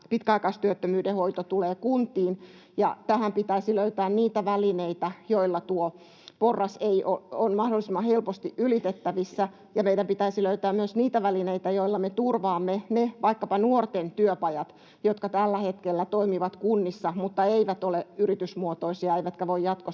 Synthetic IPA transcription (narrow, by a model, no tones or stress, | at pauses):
pit̪kæɑˑikɑist̪yøt̪ːømyːdehoit̪ot̪uleːkunt̪iːn | jɑ̰t̪æhæmpit̪æisiløyt̪æːnniːt̪æʋælineit̪æjoilːɑt̪uo | porːɑseiʔoonmɑhdolːˑisimːɑhelpost̪iʔʔylit̪et̪ːæʋisːæ | jɑmeidæmpit̪æisiløyt̪æːmmyøsniːt̪æʋælineit̪æjoilːɑmet̪urʋɑːmːeneʋɑikːɑpɑnuort̪ent̪yøpɑjɑt̪ | jot̪kɑt̪ælːæhet̪kelːæt̪oimiʋɑt̪kunːisːɑmut̪ːɑeiʋæt̪oleyrit̪ysmuot̪oisiɑeiʋæt̪kæʋoijjɑt̪ko